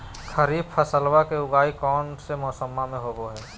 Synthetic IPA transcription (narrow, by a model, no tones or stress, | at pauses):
kʰəɾiːbfʰəsəlwakeʊɡaːikɔːnsemɔːsəmːamẽɦoːɡoɦɛː